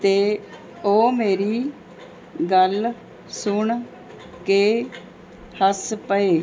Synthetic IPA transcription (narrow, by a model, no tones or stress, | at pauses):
t̪eː | oːmeːɾiː | ɡəl | sʊɳ | keː | həspəeː